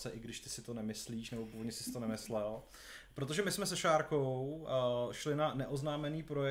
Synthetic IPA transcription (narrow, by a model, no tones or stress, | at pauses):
sɛʔɪɡdɪʃt̪ɪsɪt̪o̞nɛmɪsliːʃnɛbo̞puːvodɲɛsɪsɪt̪o̞nɛmɪslɛl | pɾot̪o̞ʒɛmɪsmɛs̬ɛʃaːɾko̞w | ʃlɪnanɛʔo̞znaːmɛniːpɾo̞jɛ